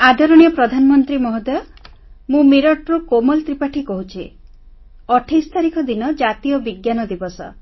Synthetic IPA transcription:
ad̪ʱɔɾɔɽ̃ijɔpɾɔd̪ʱanɔmɔnt̪ɾimɔɦɔd̪ɔ | mũmiɾɔʈɾukomɔlt̪ɾipaʈʰikɔɦut͡ʃʰi | ɔʈʰist̪ʰaɾikɔd̪inɔd͡ʒat̪ijɔbiɡjanɔd̪ibɔsɔ̰

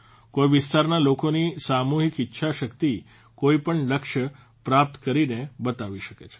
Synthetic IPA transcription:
koiʋɪst̪aɾnalokonisamuɦikɪtːʃʰaʃəkt̪i | koipəɳləkʃə | pɾap̚t̪kəɾinebət̪aʋiʃəket͡ʃʰe̥

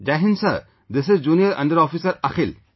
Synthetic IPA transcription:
d͡ʒaɦĩnsɐɾ | d̪ɪsɪzd͡ʒuːnijəɾɐ̰̃ɳɖəɾɔfisəɾɐkil

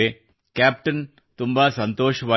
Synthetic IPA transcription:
e | kaːp̚ʈɐn | t̪umbaːsɐnt̪oːʂɐʋaː

